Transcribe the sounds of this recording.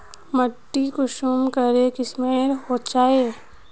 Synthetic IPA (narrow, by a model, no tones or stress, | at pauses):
məʈːikʊʃumkəɾekismeːɾhot͡ʃaːeː